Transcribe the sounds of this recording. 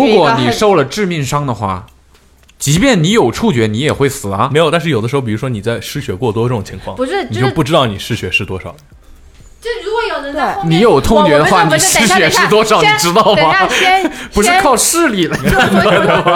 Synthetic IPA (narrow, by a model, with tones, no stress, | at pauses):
u˧˥kwɔ˧˥ni˨˩ʂo˥˩ʊlə˨ʈ͡ʂɻ̩˥˧mi˥˩ŋʂɑ˥ŋd̪ə˨xwa̰˥˩ | t͡ɕi˧˥pjɛ˥˩nni˧˥jo˨˩ʊʈ͡ʂʰu˥˩t͡ɕɥɛ˧˥ni˧˥jɛ˨˩xwe˥˩ɪsɹ̩˨˩ɐ˦me˧˥ɪjʊt̪a˥˧nʂ̩ɻjd̪əʂɻ̩˧˥˧pi˨˩u˧˥ʂwɔ˥ni˨˩t͡sa˥˩ɪʂɻ̩˥ɕɥɛ˧˥kwɔ˥˧˩t̪wɔ˥ʈ͡ʂɤ˥˩ʈ͡ʂʊ˨˩ŋt͡ɕʰi˧˥ŋkʰwɑ˥˩ŋni˨t͡ɕo˥˧ʊpu˥˩ʈ͡ʂɻ̩˥t̪ɑ˥˩ʊni˨˩ʂɻ̩˥˧ɕɥɛ˧˥ʂɻ̩˥˩t̪wɔ˥ʂɑ̰˨˩˦ | wjo˨˩n˧˩ni˧˥jo˨˩ʊt̪ʰŋt͡ɕt͡ɕɥɛ˧˥d̪ə˧xwa˥˩ni˧˨˩ʂɻ̩˥ɕɥɛ˧˥ʂɻ̩˥˩t̪wɔ˥ʂɑ˨˥ʊni˨˩˨ʈ͡ʂɻ̩˥t̪ɑ˥˩ʊm˨˩ | pu˧˥ʂɻ̩˥˧kʰɑ˥˧ʊʂɻ̩˥˧li˨˩lə˧˩˥a˥˩ɪə˧m˥˧˩